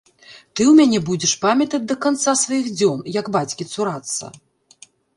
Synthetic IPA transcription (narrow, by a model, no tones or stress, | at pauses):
t̪ɨwmʲanʲɛbud͡zʲɛʂpamʲɐt̪ɐd͡zʲd̪ɐkant̪sasvajiɣd͡zʲɔnjɐɡbat͡sʲkʲit̪suɾat̪sːɐ̰